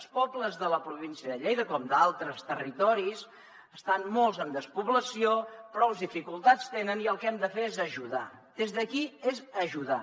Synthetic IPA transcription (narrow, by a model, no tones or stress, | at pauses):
spɔbləzðələpɾuβinsiəðəʎejðəkɔmd̪alˠt̪ɾəst̪ərit̪ɔɾis | əst̪anmolˠzəmd̪əspuβləsiopɾɔwzðifikulˠt̪at͡st̪enəniəlˠkɛmd̪əfeezəʒuða̰ | d̪ezðəkiezəʒuða